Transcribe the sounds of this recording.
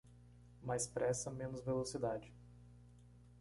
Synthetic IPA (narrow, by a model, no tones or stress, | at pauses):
majspɾʔɛsɐmẽnʊzvelosid̪ad͡ʒɪ